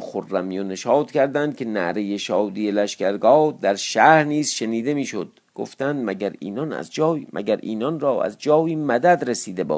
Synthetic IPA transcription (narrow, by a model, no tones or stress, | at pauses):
xorːæmijoneʃɒːt̪cʲʰæɾd̪ænd̪̥̚kʲʰenæɾejeʃɒːd̪ijelæʃkæɾɡɒːd̪æɾʃæɾniːzʃeniːd̪e̞miːʃo̞d̪̚ | ɡ̥o̞̰ft̪ænd̪mæɡæɾḭːnɒnæ̰zd͡ʒɒːmʔæ̰ɡæɾʔḭːnɒnɾɒːæ̰zd͡ʒɒːiːmæd̪æd̪ɾesiːd̪ebɒ̰ː